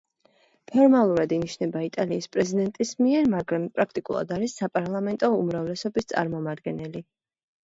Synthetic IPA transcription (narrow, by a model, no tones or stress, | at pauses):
pʰɔɾmalˠuɾad̪iniʃnɛbait̪ʼaliːspʼɾɛzid̪ɛnt̪ʼismiɛɾmaɡɾampʼɾakʰt̪ʼikʼṵlˠa̰d̪aɾisːapʼaɾlˠamɛnt̪ʼɔumɾavlɛsɔbist̪sʼa̰ɾmɔmad̪ɡɛnɛli